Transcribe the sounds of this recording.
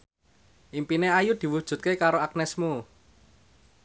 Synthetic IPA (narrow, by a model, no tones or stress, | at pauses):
ʔimpineajud̪̥i̤wud̥ʒ̥ṳt̪̚kekaɾoak̚nɛsmu